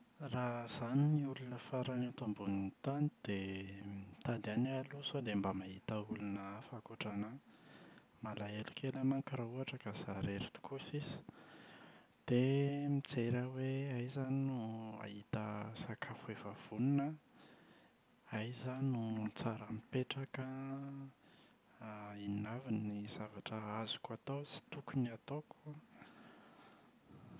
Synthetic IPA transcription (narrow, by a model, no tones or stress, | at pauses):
raz̥aniniulunəfaɾanat̪ombunint̪anid̪̥emt̪ad̪ianalusod̪embamaɦit̪əulunəfakuʈ͡ʂana | malaelukʰelamaŋkiɾauaʈ͡ʂəkazaɾeɾit̪u̥kusizi̥ | d̪̥emit͡seɾaweajzaninua̰ɦit̪əsakʰafuevav̥uninə | ajzanununt͡saɾamipeʈ͡ʂakə | innaviniz̥avaʈ͡ʂəazu̥kat̪owt͡si̥t̪ukuniat̪okʰua